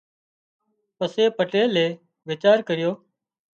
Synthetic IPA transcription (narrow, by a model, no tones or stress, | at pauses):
pəseːpəʈeːleː | ʋɪt͡ʃaːɾkəɾɪjoː